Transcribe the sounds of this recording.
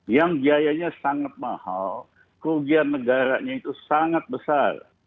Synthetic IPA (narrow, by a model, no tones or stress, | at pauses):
jaŋbiajaɲasaŋat̪̚mahaw | kəuɡiannːəɡaɾaɲait̪usaŋat̪̚bəsar